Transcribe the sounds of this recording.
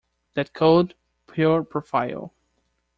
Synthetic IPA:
ðɨt̚kʰoʊd̚ | pʰjuɹpʰɹ̥ɔfaɪ̰l̩ˠ

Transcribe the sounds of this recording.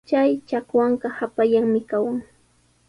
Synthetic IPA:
t͡ʃajt͡ʃakwɑɴɢɑhapaʎaŋmɪkawaŋ

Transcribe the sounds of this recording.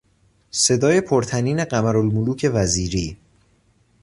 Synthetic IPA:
se̞d̪ɒːje̞pʰoɾt̪ʰæniːne̞ɢæmæɾolmoluːcʰe̞væziːɾiː

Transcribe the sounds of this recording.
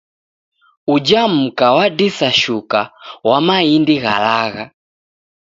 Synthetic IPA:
ud͡ʒam̩kawadisaʃukawamaindiɣa̰laɣa

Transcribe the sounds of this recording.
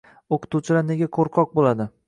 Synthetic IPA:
oqʰɨ̥t̪ʰuwt͡ʃʰɪlane̞ɡʲakʰoɾqʰɒq̚bolad̪ɪ

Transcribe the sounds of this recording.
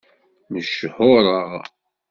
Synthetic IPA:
nəʃhʊɾˤəʁ

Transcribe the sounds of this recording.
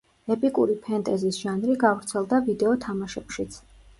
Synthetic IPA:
ɛpʼikʼuɾipʰɛnt̪ʼɛzisʒ̥anɾiɡavɾt̪sʰɛlˠd̪avid̪ɛɔt̪ʰamaʃɛpʃit̪sʰ

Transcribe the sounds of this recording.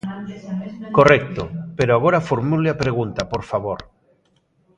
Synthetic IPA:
korɛk̚t̪opeɾoaɣ̞oɾafoɾmulɪapɾeɣ̞unt̪apoɾfaβoɾ

